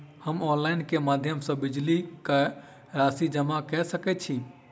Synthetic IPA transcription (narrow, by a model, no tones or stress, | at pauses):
həmɔ̃nlaːɪnkemaːd̪ʱjəmsɔ̃bɪd͡ʒlikɛ | ɾaːsid͡ʒəmakɛsəkɛt͡ʃʰi